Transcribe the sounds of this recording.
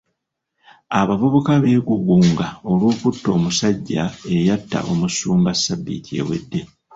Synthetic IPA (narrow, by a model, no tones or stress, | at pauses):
aβavoβo̞kaβe̞ːɡuɡuːŋɡao̞lwuːkutːo̞ːmusaɟːae̞jatːa̰ʔo̞musuːmbasːabːḭtʰie̞̰we̞̰dːe̞